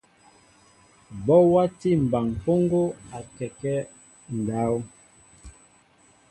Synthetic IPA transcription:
bɔ˦wa˦ti˦˨m̩˨ba˨ŋpo˦ŋɡo˦a˨kɛ˨kɛ˦ | n̩˨da˨˦w

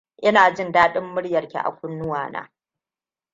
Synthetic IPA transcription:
ʔɪ˦naː˨d͡ʒɪ˦ndaː˦ɗɪ˦mːʊ˦ɽjɐ˨rkʲḭ˨ʔa̰˨kʷʊ˦nːʊ˦waː˨na̰ː˦

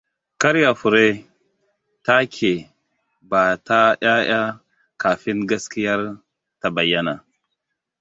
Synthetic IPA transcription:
ka˦ɾja˨fu˨ɾe˦ | ta˦kʲʰe˨ | ba˨ta˦ja˦j̰a˦ | ka˨fi˦nɡa˦ski˦ja˦ɾ | ta˨ba˨jːa˦na˨

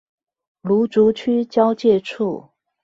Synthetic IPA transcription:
lu˧˥ʈ͡ʂu˧˥t͡ɕʰy˥t͡ɕjɑ˥ʊt͡ɕjɛ˥˧ʈ͡ʂʰu˥˩

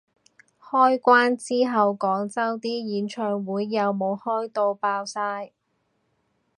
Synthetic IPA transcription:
hɔː˥jkʷaː˥nt͡siː˥ɦɐ˨wkɔː˨˥ŋt͡sɐ˥wt̪iː˥jiː˨˥nt͡ʃʰœː˧ŋwuː˨˥jːɐ˨˧wmo˨˧whɔː˥jt̪o˧wpaː˧wsaː˧j

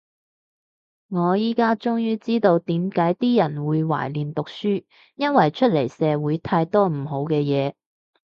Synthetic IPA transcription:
ŋɔː˨˧jiː˥kaː˥t͡sʊ˥ŋjyː˥t͡siː˥t̪o˧wt̪iː˨˥mkaː˨˥jt̪iː˥jɐ˨˩nwuː˨˧jwa̰ː˨˩jliː˨˩nt̪ʊ˨k̚syː˥ | jɐ˥nwɐ˨jt͡ʃʰɵ˥t̚le˨˩jsɛː˨˧wuː˨˥jt̪ʰaː˧jt̪ɔː˥m̩˨˩ɦo˨˥wkɛː˧jɛː˨˧

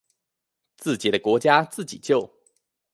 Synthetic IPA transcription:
t͡sɹ̩˥˩t͡ɕi˨˩d̪ə˦kwɔ˧˥t͡ɕja˦t͡sɹ̩˥˩t͡ɕi˨˩t͡ɕjo˥˨ʊ

